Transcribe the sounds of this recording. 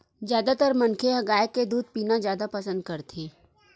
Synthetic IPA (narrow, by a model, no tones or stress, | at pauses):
zjaːd̪at̪əɾmɐnkʰeɦɐɡaːjəkːed̪uːd̪̚piːnazjaːd̪apɐsə̃nd̪̚kɐɾt̪ʰiː